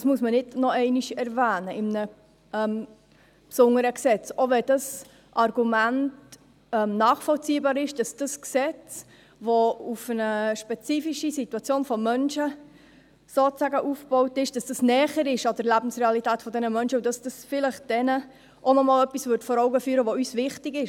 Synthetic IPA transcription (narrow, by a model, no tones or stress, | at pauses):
dɑsmuəsmənɪdnɔɛɪniʃɛɾvæːnəɪmnə | ɛm | psʊŋəɾəksɛt͡soʋɛd̥ɑs | ʔɑrɡ̥umænt | ɛmnɑːχfɔlt͡siːbɑːɾɪʃd̥ɑsd̥ɑsksɛt͡s | ʋoufənəʃpɛt͡siːfiʃisituɑt͡sjoːnfɔmœnʃə | soːæɡəʔufb̥ɔʊtɪʃd̥ɑsd̥ɑsnɛːχəɾɪʃɑd̥əɾlæbn̩sʁeɑlitæːtfɔdɛnəmœnʃəudɑsd̥ɑsfɪləχd̥ɛnə | ʔonɔmɑːlœpisvʏɾtfɔɾɔʊɡəfyːɾəʋoysvɪχtɪɡɪʃ